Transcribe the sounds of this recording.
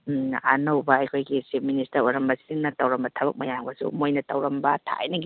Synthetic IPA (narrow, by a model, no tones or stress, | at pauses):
anɐwbɐɐjkʰojɡisep̚ministɐɾojɾɐmbɐsi̥diŋnɐtɐwɾɐmbɐtʰɐbɐk̚mɐjaŋbɐsṵmojnɐtɐwɾɐmbɐtʰa̰jnɐɡ